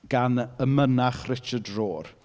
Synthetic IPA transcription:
ɡ̥anəmənaχrɪt͡ʃədroːr

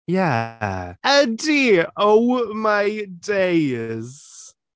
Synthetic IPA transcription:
jæ | ədiʔoʊmaɪdeɪɪz̥

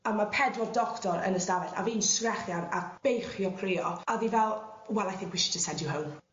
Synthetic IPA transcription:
amapʰɛdwɔrdɔktɔɾə̰nəsdavɛɬa̰viːnsrɛχjanab̥ejχjɔkʰreːɔaðivɛlˠ | wɛlˠajθɪ̃ŋkʰwiʃi̥təsɛndjʊɦowm

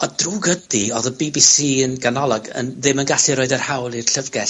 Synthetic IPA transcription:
ɔd̥ruːɡədiɔðəbibisiːənɡanɔlˠɔɡə̰nðɪmənɡaɬɨɾoːɨdərhawlˠirɬəvɡɛɬ

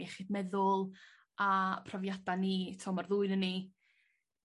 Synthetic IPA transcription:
ɛχiːdmɛðʊlˠ | apʰrɔvjadaniːtʰɔmarðuɨnəni

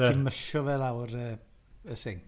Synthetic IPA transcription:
ɛimməʃɔvɛlˠawɾəəseŋ

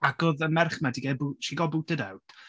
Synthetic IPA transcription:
aɡoðəmɛrχmadiɡɛbuʃiɡɔbutədawt

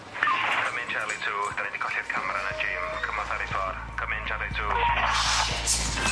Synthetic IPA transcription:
kʰəmɪnt͡ʃʰɛlˠitʰuːd̥̪anidikʰɔɬɪrkʰamɾanad͡ʒeːmkʰəmɔθaɾifɔr | kʰəmɪnt͡ʃʰɛlˠitʰuː

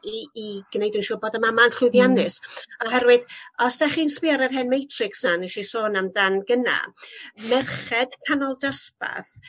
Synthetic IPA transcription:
iːɡ̥nejdunʃuːboːdəmamanɬʊjðjanɪsɔɦɛɾwɨðɔsd̥aχiːnspɪaɾarɦɛnmejtʰrɪksanɛʃisoːnamdanɡəna̰mɛrχɛd̥kʰanɔlˠdaspa̰θ

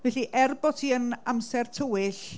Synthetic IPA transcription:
vɛɬiʔɛrbɔtʰiːənamsɛrtʰəwɪɬ

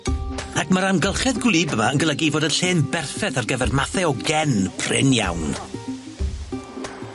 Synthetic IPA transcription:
akʰməɾamɡəlˠχɛðɡwlˠiːbəmaənɡəlˠəɡivoːdənɬeːnbɛrθɛθarɡəvɛrmaθɛɔɡɛnpʰrɪ̰nja̰wn

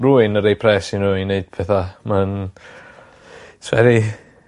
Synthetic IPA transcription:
ruɨnəɾejpʰrɛsinuɨneɨd̥pʰɛθaman | sʰvɛ̰ɾi

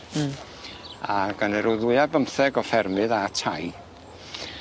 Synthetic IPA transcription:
aɡənɛɾʊðʊɨabəmθɛɡɔfɛrmɨðatʰaj

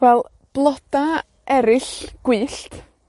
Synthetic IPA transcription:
ɛlˠ | b̥lˠɔd̥a | ʔɛɾɪɬɡ̥wɨːɬt

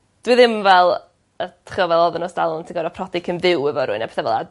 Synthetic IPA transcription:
d̥wɪðɪmvɛlˠ | ətʰrɔvɛlˠɔðɔnɔsd̥alˠɔntʰiɡɔɾɔpʰrɔdɪkʰənðɪwɛvɔɾʊɨnapʰɛ̥θavə̰lˠa̰

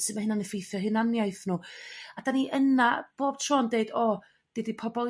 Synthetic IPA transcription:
sɨdmahɪnanəfejθjɔɦɪnanjajθnuːad̥aniʔənab̥oːb̥tʰroːndeɨdoː | d̥eːdipʰɔbɔlˠ

